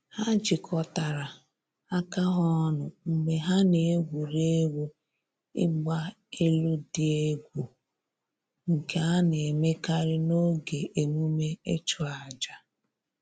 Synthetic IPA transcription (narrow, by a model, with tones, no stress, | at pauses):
ha˦d͡ʒɪ˨kʰɔ˦ta˨ɾa˨ | a˦ka˦ɦɔ˦nʊ˨ŋ͡m̩˨ɡ͡be˨ɦa˦ne˨e˦ɡʷu˨ɾe˦wʷu˦ | ɪ̰˦ɡ͡ba˦ | e˦lu˦dɪ˦e˦ɡʷu˨ | ŋ̩˨ke˨a˦ne˨e˨me˦ka˦ɾɪ˦no˦ɡe˨ʔe˨mu˦me˦e˦t͡ʃʊ˦a˨d͡ʒa˨